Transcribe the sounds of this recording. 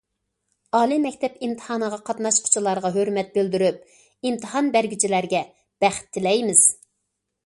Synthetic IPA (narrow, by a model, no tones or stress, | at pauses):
ɑːlˠimɛkʲt̪ʰɛpimt̪ʰə̥hɑːnəʁɑqʰɑt̪nɑʃqʰʊ̥t͡ʃʰilˠɑɾʁɑɦøɾmɛt̪̚bɪld̪yɾyp̚ | imt̪ʰəɦɑnbæɾɡʲyt͡ʃʰilæɾɡʲɛ | b̥æχt̪ʰːɪlɛjmɪz̥